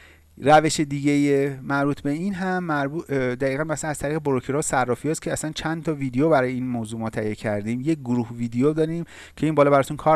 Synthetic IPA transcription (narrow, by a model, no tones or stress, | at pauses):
ræve̞ʃed̪iːɟejemæɾbuːt̪ʰbe̞inɦæmːæɾbud̪æɣiːɣænbæsænæz̥t̪ʰæɾiɣeboɾocʰeɾɒːsærːɒːfijɒːscʰeæsænt͡ʃʰænd̪t̪ʰɒviːd̪ejobæɾɒːjeiːnmoːzuːmɒːt̪ʰæijecʰæɾd̪iːmje̞c̚ɡoɾuhviːd̪ejod̪ɒːɾiːm | cʰe̞iːnbɒːlɒːbæɾɒːt̪ʰunkʰɒːɾ